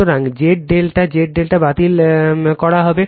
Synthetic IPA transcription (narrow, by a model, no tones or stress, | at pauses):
oɾaŋd͡ʑeʈ̚ɖelʈad͡ʑeʈ̚ɖelʈabat̪ilkɔɽaɦɔbe